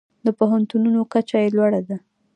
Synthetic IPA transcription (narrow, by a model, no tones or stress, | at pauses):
d̪əpoɦant̪ununokat͡ʃajelwaɽad̪a